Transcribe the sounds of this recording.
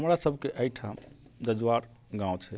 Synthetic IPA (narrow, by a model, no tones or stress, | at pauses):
ɦəmɾasəbʱkeʔajʈʰad̪əd͡ʒwaɾ | ɡãwt͡ʃʰɛ